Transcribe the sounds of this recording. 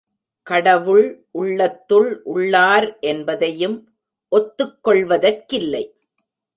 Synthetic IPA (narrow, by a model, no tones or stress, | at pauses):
kɐɽɐʋɯɭʔʊɭːɐt̪ːɯɭʔʊɭːaːɾʔɛnbɐðɐjɯm | ʔɔt̪ːɯkːɔɭʋɐðɐrkɪlːɐɪ